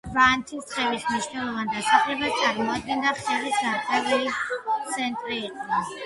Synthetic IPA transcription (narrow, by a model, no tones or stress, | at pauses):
vant̪ʰist̪ʼqʼɛbismniʃnɛlˠɔvand̪asaχlɛbast̪sʼaɾmɔad̪̚ɡɛnd̪aχɛlisaɾtʼɛbulit̪sʰɛnt̪ʼɾiːqʼɔɔ